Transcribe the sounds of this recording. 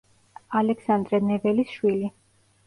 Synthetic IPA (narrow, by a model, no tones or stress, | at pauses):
alɛksand̪ɾɛnɛvɛlisʃwili